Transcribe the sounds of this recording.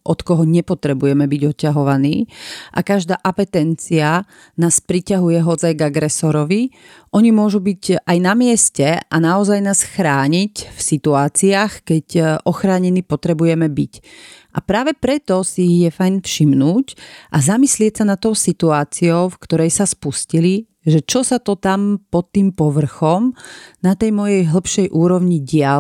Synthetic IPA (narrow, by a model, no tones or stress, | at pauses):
ʔɔt̪kɔɦɔɲɛpɔt̪ɾɛbujɛmɛbiɟɔcːaɦɔʋaniːʔa̰kaʒd̪aːʔapɛt̪ɛnt͡sia | naːspɾicaɦujɛɦɔd͡zajɡaɡɾɛsɔɾɔʋi | ʔɔɲimʊɔʒubicajnamɪɛscɛʔanaɔzajnaːsxɾaːɲicfsit̪uaːt͡siaːxkɛcʔɔxɾaːɲɛnipɔt̪ɾɛbujɛmɛbicʔa̰pɾaːʋɛpɾɛt̪ɔsijɛfajnfʃimnuːcʔazamislɪɛcsanat̪ːɔʊsit̪uaːt͡siɔʊfkt̪ɔɾɛjsaspuscili | ʒɛt͡ʃɔsat̪ɔt̪ampɔt̪ːiːmpɔʋr̩xɔmnat̪ɛjmɔjɛjɦl̩pʃɛjʔuːɾɔʋɲiɟɪa